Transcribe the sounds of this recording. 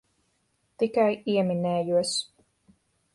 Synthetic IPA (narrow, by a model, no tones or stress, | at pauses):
t̪ikajiɛminɛːjuɔs